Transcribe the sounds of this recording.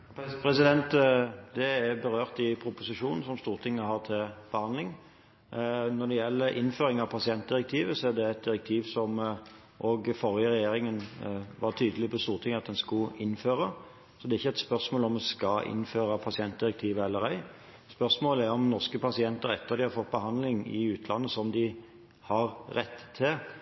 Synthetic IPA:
pɾɛsɪd̪ɛnt̪d̪ɛæɾbəɾøːʁt̪ɪpʰɾʊpʊsɪʂuːnn̩sɔmst̪uːʁt̪ʰɪŋːəhɑʁt̪ʰɪlb̥əhɑnd̪lɪŋ | nɔd̪ɛjɛlːəɾʔɪ̰nːføːɾɪŋɑʋpʰɑsɪɛnt̪̚d̪ɪɾɛkt̪ʰiːʋəsɔæd̪ɛæt̪̚d̪ɪɾɛk̚t̪ʰiːʋsɔm | ʔoːɡfɔʁjəʁɛjeːɾɪŋənʋɑʁt̪ʰyːd̪əlɪpʰɔst̪uːʁt̪ʰɪŋːɑt̪̚d̪ɛnskʊɪnːføːɾə | sɔd̪ɛːʁɪçːəɛt̪spœʁsmoːlɔmɛskɑʔɪ̰nːføːɾəpʰɑsɪɛnt̪̚d̪ɪɾɛk̚t̪ʰiːʋəɛlːəɾæɪ | spœʁsmoːləæɾɔmnɔʁskəpʰɑsɪɛnt̪əɾɛ̰t̪ːəʁd̪ɪhɑɾfɔt̪̚ːbəɦɑnd̪lɪŋɪ̰ʉːt̪ʰlɑnːəsɔmd̪ɪ | hɑɾɾɛt̪ːt̪ʰːɪl

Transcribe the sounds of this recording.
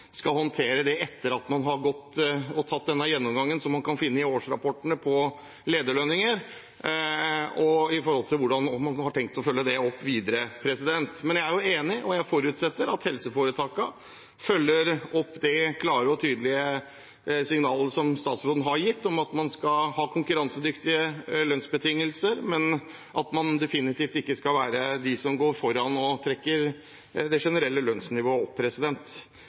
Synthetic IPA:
skɑlhɔnt̪ʰeːɾəd̪ɛɛt̪ːəɾɑt̪mɑnɦɑɾɡɔt̪ːɔt̪ʰɑt̪̚ːd̪ɛnːəjɛnːɔmɡɑŋːənsɔmːɑnkɑnfɪnːəɪoːʂɾɑpʰɔʈɳəpʰɔ | leːd̪əɭønɪŋəɾ | ɔɪfɔɾhɔlt̪ʰɪlʋʊɖɑnɔmɑnhɑʈʰɛŋk̚t̪ːɔfœlːəd̪ɛɔpːʋiːd̪əɾəpʰɾɛsɪd̪ɛnt̪mɛnjææɾjʊeːnɪʔɔjæɪfɔɾʉt̪sɛt̪ːəɾɑt̪hɛlsəfoːɾət̪ʰɑːkə | fœlːəɾɔpːd̪ɛkʰlɑːɾəɔt̪ʰyːd̪lɪə | sɪŋnɑːləʂɔmst̪ɑːt̪sɾoːd̪n̩ɦɑɾjɪt̪ːɔmɑt̪mɑnskɑhɑːkʰʊŋkʉɾɑnsəd̪ʏkt̪ɪəlœnsbət̪ʰɪŋːəlsəɾmɛn | ʔɑt̪mɑnd̪ɛfɪnɪt̪ʰiːft̪ɪkːəskɑlʋæːɾəd̪ɪsɔmɡoːɾfɔɾːɑnɔt̪ʰɾɛkːəɾ | d̪ɛʂɛnəɾɛlːəlœnsnɪʋoːəɔpʰːɾɛsɪd̪ɛnt̪

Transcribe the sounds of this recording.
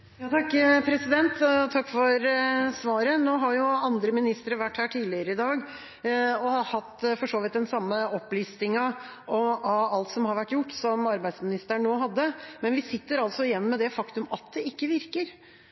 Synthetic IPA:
jɑːt̪ʰɑkːpʰɾɛsɪd̪ɛnt̪t̪ʰɑkːfɔɾsʋɑːɾənoːɦɑɾjʊɑnd̪ɾəmɪnɪst̪ɾəɾʋæʈːhæːʈʰiːlɪəɾəɪd̪ɑːɡ | ɔhɑhɑt̪ːfɔʂoːʋɪt̪̚d̪ɛnsɑmːəɔpːliːst̪ɪŋɑ | ɔɑɑlt̪sɔmhɑɾʋæʈːjʊʈːsɔmɑɾbæɪsmɪnɪst̪əɳːoːɦɑd̪ːəmɛnʋɪsɪt̪ːəɾɑlsɔɪjɛnːmɛd̪ɛfɑkt̪ʉmɑt̪̚d̪ɛɪkːəʋɪɾkəɾ

